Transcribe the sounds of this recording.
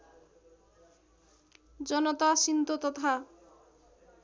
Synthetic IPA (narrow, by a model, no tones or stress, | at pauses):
d͡zɔnɔt̪asint̪ot̪ɔt̪ʰa